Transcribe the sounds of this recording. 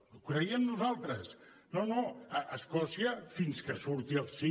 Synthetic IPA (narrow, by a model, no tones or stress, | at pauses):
kɾəiəmnuzalˠt̪ɾəs | nonoəʔəskɔsiəfinskəsuɾt̪iəlˠsi